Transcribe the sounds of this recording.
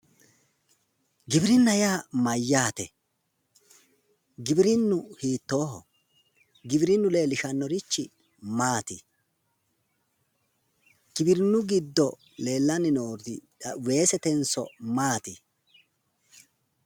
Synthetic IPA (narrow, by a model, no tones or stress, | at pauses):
ɡɪbɪɾɪnːɐjaːmɐjːaːt̪ɛ | ɡɪbɪɾɪnːʊhiːt̪ːo̞ːhɔ̰ | ɡɪbɪɾɪnːʊle̞ːlːɪʃɐnːɔɾɪt͡ʃːɪ | maːt̪ɪ | ɡɪbɪɾɪnːʊɡɪd̪ːɔ | le̞ːlːɐnɪnoːɾt̪ɪ | we̞ːsɛt̪ɛnsɔ̰maːt̪ɪ